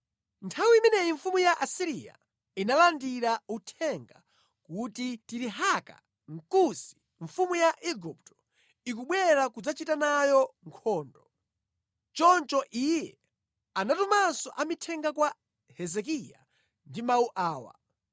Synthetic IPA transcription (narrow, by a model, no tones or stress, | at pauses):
ntʰawiimɛnɛjiɱfumujaʔasiɾija̰ | inalandiɾautʰɛŋɡa | kutitiɾiɦaka̰ | ŋ̩kusi̥ | ɱfumujaʔɛɡup̚tɔ̥ | ik̬uɓwɛɾakud͡zat͡ʃitanajɔŋkʰɔːndɔ | t͡ʃɔnt͡ʃɔʔijɛ | anatumansɔʔamitʰɛŋɡakwa | hɛzɛk̬ija̰ | ndimauʔaːwa̰